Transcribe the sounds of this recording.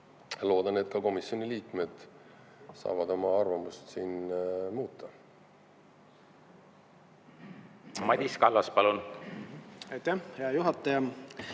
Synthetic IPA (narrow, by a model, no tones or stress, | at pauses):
lo̞ːd̪ɑnet̪̚kɑko̞misjo̞nʲiliːkme̞d̪̥ | sɑ̰ːvɑd̪o̞mɑɑrvɑmust̪siːnmuːt̪ˑːɑ | mɑd̪ʲiskɑlːɑspɑlun | ɑjt̪ːæhhejɑjuɦɑt̪ːˑɑjɑ